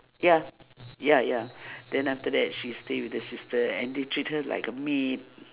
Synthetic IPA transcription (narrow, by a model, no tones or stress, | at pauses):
jajajad̥ɛ̃naftədɛt̚ʃistewidhəsistəɛ̰̃ndetɹit̚həla̰ɪkəmit̚